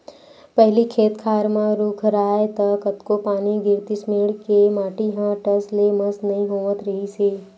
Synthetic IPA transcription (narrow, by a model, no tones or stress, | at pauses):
pɛɦlikʰeːt̪kʰaːɾmãɾuːkʰɾaːet̪ɐkət̪kopaːniɡɪɾt̪ismeːɽkemaːʈiɦãʈɐsleməsnɐɦĩɦoːʋət̪ɾɐɦisiː